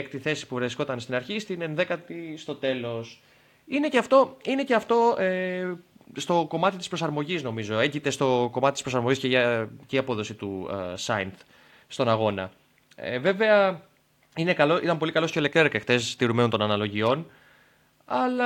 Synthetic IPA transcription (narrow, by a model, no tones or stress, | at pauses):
kt̪iθe̞si̥puvɾesko̞t̪ɐnst̪inɐɾçist̪inenðe̞kɐt̪ist̪o̞t̪e̞lo̞s | ine̞ceɐft̪o̞ine̞ceɐft̪o̞e | st̪o̞ko̞mɐt̪it̪ispɾosɐɾmo̞ʝizno̞mizo̞eɟit̪e̞st̪o̞ko̞mɐt̪it̪i̥spɾo̞sɐɾmoʝisceʝɐceiɐpo̞ðo̞sit̪usɐnt̪ | st̪o̞nɐɣo̞nɐ̰ | ḛve̞ve̞ɐ | ine̞kɐloit̪ɐmpo̞likɐlo̞scolekt̪ɾeɾekext̪e̞st̪iɾumennt̪o̞nɐnɐlo̞ʝio̞n | ɐlɐ